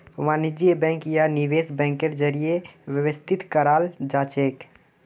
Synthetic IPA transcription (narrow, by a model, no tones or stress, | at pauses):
manid͡ʒibɛ̃ŋkjaniʋesbɛ̃ŋkeɾd͡ʒəɾijewjəwəst̪ʰit̪kəɾald͡ʒat͡ʃek